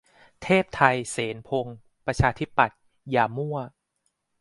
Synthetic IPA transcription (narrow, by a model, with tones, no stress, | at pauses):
t̪ʰeː˥˩p̚t̪ʰa˧jseː˩˦npʰo˧ŋ | pɾa˧t͡ɕʰaː˧t̪ʰi˦˥pːa˨˩t̪̚ | jaː˧mu˥˩ɐ